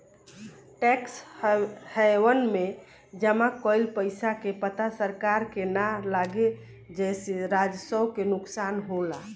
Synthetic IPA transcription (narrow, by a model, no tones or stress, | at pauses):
ʈɛks | həʋənme | d͡ʒəmakɔjlpəɪsakepət̪asəɾkaɾkenalaɡe | d͡ʒɛseɾad͡ʒsəwkenuksanɦola